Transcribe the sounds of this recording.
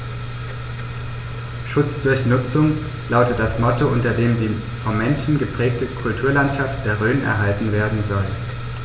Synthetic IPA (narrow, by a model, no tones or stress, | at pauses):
ʃʊt͡sd̥ʊɐçnʊt͡sʊŋ | laʊtət̚d̥asmɔtoʔʊntɐdeːmdiː | fɔnmːɛnʃn̩ɡəpʁ̥ɛːk̚təkʰʊltʰuːɐlantʃaft̚d̥eːɐʁøːnʔɛ̰ɐɦaltn̩veːɐdn̩zɔl